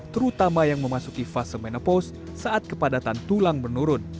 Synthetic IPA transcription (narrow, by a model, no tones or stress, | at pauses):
t̪əɾut̪amajaŋməmasukifasəmenapɔs | saat̪̚kəpadat̪ant̪ulaŋmənuɾʊn